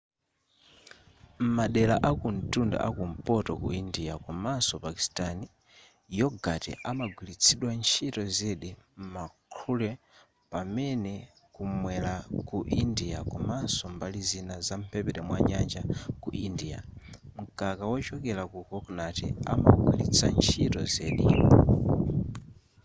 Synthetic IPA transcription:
m̩maɗɛlaʔakun̩tunda̰ʔakum̩pɔtɔkṵindijakɔmansɔpaki̥stani | jɔɡatɛ̰ʔamaɡwilit͡sʰiɗwant͡ʃʰitɔzɛɗim̩makʰulɛ | pamɛnɛ | kumwɛlakuʔindijakɔmansɔmbalizinazam̩pʰɛpɛɾɛmwaɲand͡ʒakṵʔindija̰m̩kʼakawɔt͡ʃɔkɛlakukɔknatḭa̰ma̰ɡwilḭt͡sʰa̰nt͡ʃʰitɔzɛɗḭ

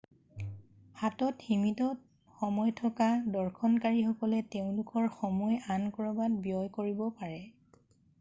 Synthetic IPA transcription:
hatɔtximitɔt̚ | xɔmɔjtʰɔkadɔɹkʰɔnkaɹixɔkɔlɛteʊ̃lʊkɔɹxɔmɔjankɔɹɔbadbijɔjkoɹibɔpaɹɛ

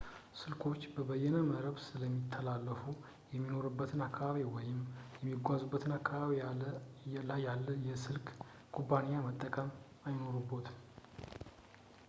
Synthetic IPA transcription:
sɨlkʰo̞t͡ʃːbəbəjːɛnəməɾəβsɨləmːit̪ʰːəlalːəfu | jɛmːino̞ɾubːət̪ʰɨnakʰːaβaβiwɔjɪmjɛmːiɡʷazubːət̪ʰɨnakʰːaβaβi | lajalːəjɛsɨlkʼ | kʼubːanijamət̪ʼːəkʼəm | ajno̞ɾubːo̞t̪

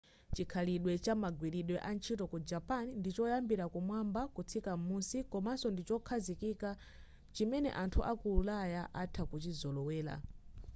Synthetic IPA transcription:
t͡ʃikʰaliɗwɛt͡ʃamaɡwiɾiɗwɛʔant͡ʃʰitɔkud͡ʒapanindit͡ʃɔjambiɾakumwambakut͡sʰikamunsikɔmasɔndit͡ʃɔkʰazikika | t͡ʃimɛnɛ̰ʔantʰuʔakuulajaʔatʰakut͡ʃizɔlɔwɛːla̰

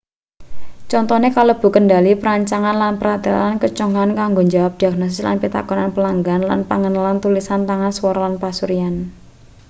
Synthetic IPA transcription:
t͡ʃɔnt̪ɔnekaləb̥ṳkəndalipəɾaɲt͡ʃaŋanlanpəɾad̪̥a̤tankət͡ʃɔŋankaŋɡoɲd͡ʒawap̚d̥iaɡ̥̚nos̬ɪsla̰npit̪a̰kɔnanpəlaŋɡanla̰npaŋənalant̪ulisant̪aŋanswɔɾɔlanpasuɾian

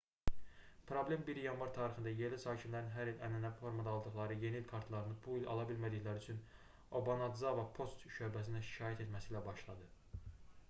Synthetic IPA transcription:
pʰɾo̞blʲe̞mbiɾjɑnvɑɾt̪ʰɑːɾixχɯnd̪ɑjeɾlisɑːcʰinlæɾinɦæɾilænænæfo̞ɾmɑd̪ɑːlˠd̪ɯχlˠɑɾɯje̞nilkʰɑɾt̪ʰlˠɑɾɯnɯbuilʲɑ̰lˠɑbilmæd̪içlæɾyt͡ʃʰyn | o̞bɑnɑd̪zɑvɑpʰo̞st̪ʃø̞ɾbæs̬inænʃi̥cʰɑːjæt̪ʰe̞t̪mæsiːlæbɑʃlˠɑd̪ɯ

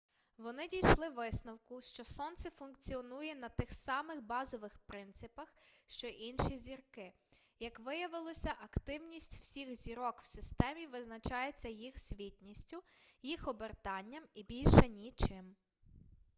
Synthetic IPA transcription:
ʋɔnɪdʲijʃlˠɪʋɪsnɔwkʊʃt͡ʃɔsɔnt̪sɛfʊnkt͡sʲiɔnujɛnɐt̪ɪxsɑmɪxbɑzɔʋɪxpɾɪnt̪sɪpɐxʃt͡ʃɔʔinʃizʲirkɪ | jɐkʋɪjɐʋɪlˠɔsʲɐʔɐkt̪ɪwnʲisʲtʲw̥sʲixzʲiɾɔkw̥sɪst̪ɛmʲiʋɪznɐt͡ʃɑjet͡sʲːɐjixsʲʋʲitʲnʲisʲtʲʊjixɔbert̪ɑnʲːɐmibʲilʲʃɛnʲit͡ʃɪm

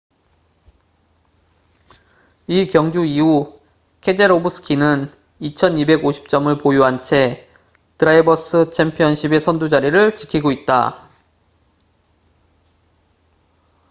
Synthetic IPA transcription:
ikjʌŋd͡ʑuiu | kʰe̞d͡ʑe̞ɾobɯsʰɯ̥kʰinɯn | it͡ɕʰʌnibe̞ɡoɕʰi̥p̚t͡ɕ͈ʌmɯɭpojuɦant͡ɕʰe̞ | tɯɾaibʌs͈ʰɯt͡ɕʰempʰiʌnɕʰibe̞sʰʌndud͡ʑaɾiɾɯɭt͡ɕi̥kʰiɡoit̚t͈a̰

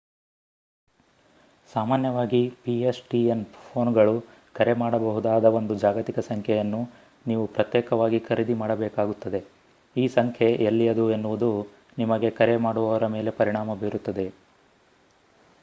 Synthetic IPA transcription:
saːmaːnjɐʋaːɡipiesʈienpʰo̞ːnɡɐɭu | kɐɾe̞maːɽɐbɐɦud̪aːd̪ɐo̞nd̪ud͡ʒaːɡɐt̪ikɐsɐŋkʰɛjɐnːu | niːʋupɾɐt̪jɛːkɐʋaːɡikʰɐɾid̪imaːɽɐbɛːkaːɡut̪ːɐd̪e̞ | iːsɐŋkʰe̞ʔelːijɐd̪ue̞nːuʋud̪u | nimɐɡe̞kɐɾe̞maːɽuʋɐʋɐɾɐme̞ːle̞pɐɾiɳaːmɐbeːɾut̪ːɐd̪e̞

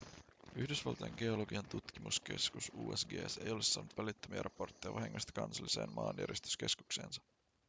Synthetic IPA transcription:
yhdysʋɑ̰lt̪ɑjeŋɡ̥e̞o̞loɡiɑnt̪ut̪kimuske̞skusuːesɡḛːse̞jolesːɑːnːut̪ʋælit̪ːømiɑ̰ɾʔɑpo̞rt̪ːejɑʋɑɦiŋːost̪ɑ̥kɑnsɑlːise̞̰ːmmɑːnjæ̰ɾʔjest̪y̥ske̞sku̥kse̞̰ːnsɑ̥

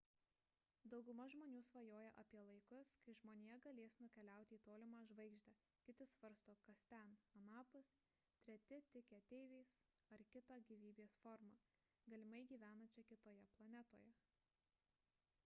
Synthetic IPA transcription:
d̪ɒʊɡʊmɐʒmoːnʲuːsʋɐjoːjɛʔɐpʲiɛlˠɐɪkʊskɐɪʒmoːnʲejɛɡɐlʲeːsnʊkʲɛlʲæˑʊt̪ʲɪiːt̪oːlʲɪmɑːʒʋɐɪɡʒʲd̪ʲɛ | kʲɪt̪ʲɪsʋɐɾst̪oːkɐst̪ʲɛnɐnɑːpʊs | t̪ʲɾʲɛt̪ʲɪt̪ʲɪkʲɛt̪ʲɛɪʋʲɛɪs | ɐɾkʲɪt̪ɑːɡʲiːʋʲiːbʲeːsfɔɾmɑː | ɡɐlʲɪmɐɪɡʲiːʋʲæːnɐt͡ʃʲɛkʲɪt̪oːjɛplˠɐnʲɛt̪o̰ːjɛ

